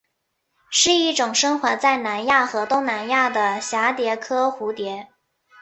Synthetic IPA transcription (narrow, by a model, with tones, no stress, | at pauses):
ʂɻ̩˥˧i˥˩ʈ͡ʂʊ˨˩ŋʂɤ˥ŋxwa˧˥t͡sa˥˩ɪna˧˥nja˥˩xɤ˧˥t̪ʊ˥ŋna˧˥nja˥˩d̪ə˩ɕja˧˥t̪jɛ˧˥kʰɤ˥xu˧˥t̪jɛ˧˥